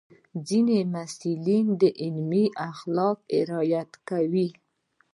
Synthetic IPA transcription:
d͡zinemasilind̪əʔɪlmiʔaxlɑk̚ɪ̰ɾɑjat̪kawi

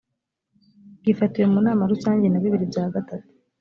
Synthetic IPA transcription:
ɡ̥ifatije̞munaːmaɾusaːɲɟe̞naβiβiɾibjaːɡatatu̥

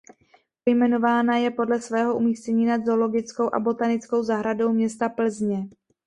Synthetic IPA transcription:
pojmɛno̞vaːnajɛpo̞dlɛsvɛːɦo̞ʔumiːscɛɲiːnad̪zolo̞ɡɪt͡sko̞wʔa̰bo̞t̪anɪt͡sko̞wzaɦɾado̞wmɲɛst̪apl̩zɲɛ

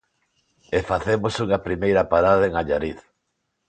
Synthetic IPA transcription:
efaθemosuŋɐpɾimejɾɐpaɾaðaeŋaʎaɾiθ

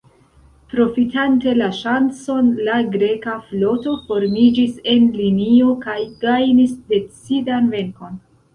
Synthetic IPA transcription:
pɾo̞fitante̞laʃant͡so̞nlaɡɾe̞kaflo̞to̞fo̞ɾmid͡ʒise̞nlinio̞kajɡajnisde̞t͡sidanve̞ŋko̞n

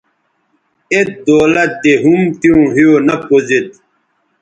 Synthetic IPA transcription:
et̪̚d̪oːlɐt̪̚d̪eɦumt̪iũɦijonɐpozet̪̚

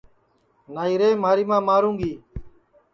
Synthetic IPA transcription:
naːiːɾeːmaːɾiːmãːmaːɾũːɡiː

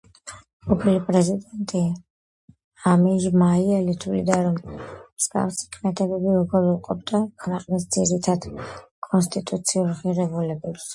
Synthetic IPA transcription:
ɔpʰilipʼɾɛzid̪ɛnt̪ʼi | amiʒmaiɛlit̪ʰulḭd̪aɾɔmmsɡ̥a̰fsi̥kʰʼmɛt̪ʰɛbɛbiuɡɔɾuqʼɔb̚d̪akʰnɛqʼnis̬d̪ziɾit̪ʰad̪̥kʼɔns̬t̪ʼit̪ʼut̪sʰiuɾʁiɾɛbulɛbɛps

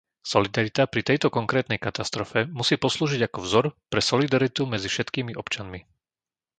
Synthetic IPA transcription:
sɔlid̪aɾit̪apɾit̪ɛjt̪ɔkɔŋkɾɛːt̪nɛjkat̪ast̪ɾɔfɛmusiːpɔsluːʒiɟakɔvzɔɾpɾɛsɔlid̪aɾit̪umɛd͡zifʃɛt̪kiːmiʔɔpt͡ʃanmi

